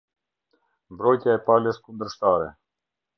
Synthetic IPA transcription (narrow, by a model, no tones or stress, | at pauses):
mbɾɔjt̪jaɛpaləskund̪əɾʃt̪aɾɛ̰